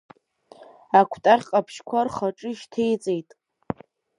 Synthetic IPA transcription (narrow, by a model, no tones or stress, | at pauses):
akʷʰtʼaχʲqʼapʰʃkʷʰarχaʈ͡ʂʼɨʃtʰejt͡sʼejtʼ